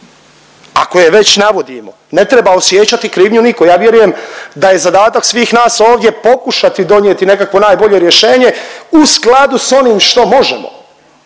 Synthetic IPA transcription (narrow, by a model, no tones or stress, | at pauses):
a̰ko̞jeʋe̞t͡ɕnaʋo̞d̪imo̞̰ | ne̞t̪ɾe̞baosjeːt͡ɕat̪ikɾiːʋɲuniko̞jaːʋje̞ɾuje̞md̪aje̞zad̪aːt̪aksʋiːxnaːso̞ːʋd̪je̞po̞kuʃat̪id̪o̞njet̪ine̞kakʋo̞naːjbo̞ʎe̞ɾje̞ʃe̞ːɲe̞usklˠad̪uso̞niːmʃt̪o̞mo̞ʒḛmo̰